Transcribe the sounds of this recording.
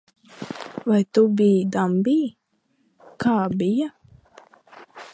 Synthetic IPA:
vajt̪ubiːd̪ambij | kaːbija

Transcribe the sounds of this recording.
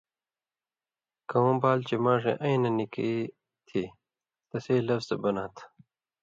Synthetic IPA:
kɐwõːbaːlt͡ɕemãːʂḛʔɐĩnɐnikḭi | t̪ʰiː | t̪ɐseːlɐfz̥ɐbɐnãːt̪ʰ

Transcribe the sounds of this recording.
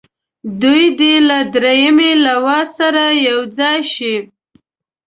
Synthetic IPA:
d̪ujd̪elad̪ɾejamelawɑsaɾajawd͡zɑjʃi

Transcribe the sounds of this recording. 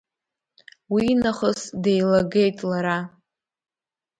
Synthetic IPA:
winaχəsdejlaɡe̞jtʼlaɾa

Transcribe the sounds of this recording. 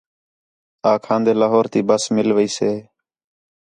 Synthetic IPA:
aːkʰãːnd̪eːlaːɦoːɾt̪iːbəsmɪlʋəiːseː

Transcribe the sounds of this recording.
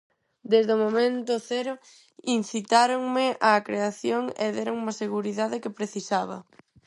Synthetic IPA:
d̪ezðomomẽnt̪ʊθeɾʊ | in̟θit̪aɾoŋmɪʔakɾeaθjoŋeðeɾoŋumɐseɣuɾiðaðɪkɪpɾeθisaβɐ̰

